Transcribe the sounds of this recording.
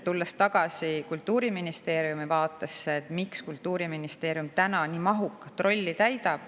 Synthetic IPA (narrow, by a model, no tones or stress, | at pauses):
t̪ulːest̪ɑɡ̥ɑsikult̪ːˑuːɾiminist̪e̞ːɾiumivɑːt̪ːˑɑsːeet̪mikskult̪ːˑuːɾiminist̪e̞ːɾijumt̪ænɑniːmɑɦukːˑɑ̥t̪ːro̞lʲːit̪æjd̪ɑb̥